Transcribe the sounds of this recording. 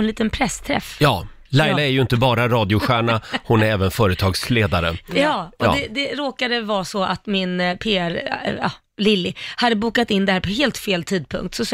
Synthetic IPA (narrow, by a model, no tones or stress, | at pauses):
nliːt̪ənpʰɾɛst̪ʰɾɛ̰fjɑː | lajlaɛɾjɵɪnt̪əbɑːɾaɾɑːd̪jʊɧæːɳahʊnæɾɛːvənfœːɾət̪ʰɑːɡsleːd̪aɾə̰jɑːɔ̰d̪ɛd̪ɛɾoːkad̪əvɑːsɔʔat̪mɪnpʰeːæɾɑ̰ː | lɪlːɪhad̪ːəbuːkat̪ɪnːd̪ɛhæːɾpʰɔɦeːlt̪feːlt̪ʰiːd̪̚pʰɵ̰ŋk̚t̪sɔs